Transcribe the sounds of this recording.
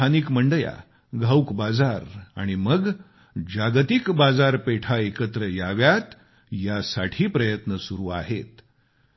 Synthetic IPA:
anikməɳɖəja̰ | ɡʱawkbad͡zaɾa̰ɽ̃iməɡ | d͡ʑaɡt̪ikbad͡zaɾpeʈʰaekət̪ɾəjaʋjat̪ | jasaʈʰiːpɾəjət̪nəsuɾuːa̰ɦet̪

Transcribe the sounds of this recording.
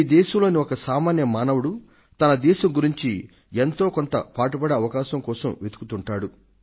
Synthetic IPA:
iːd̪ɛːʃɐmlo̞ːniɔkɐsaːmaːnjɐmaːnɐwuɽu | t̪ɐnɐd̪ɛːʃɐmɡuɾiɲt͡ʃi | ent̪o̞ːkont̪ɐpaːʈubɐɽeɐʋɐkaːʃɐmkɔːsɐmʋed̪u̥kut̪uɳʈaːɽu

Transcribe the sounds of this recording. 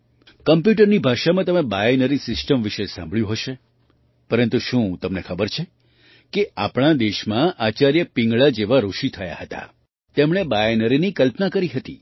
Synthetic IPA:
kəmpjuʈəɾnibʱaʃamãt̪əmẽbajenəɾisɪsʈəmʋiʃesã̰mbɭjũɦəʃe | pəɾənt̪uʃũt̪əmnekʰəbəɾt͡ʃʰe | keʔapɳ̃ad̪eʃmãʔat͡ʃaɾjəpĩŋɡɭad͡ʒeʋaɾuʃit̪ʰəja̰ɦət̪a̰ | t̪emɽ̃ebajenəɾinikəlpnakəɾiɦət̪ḭ

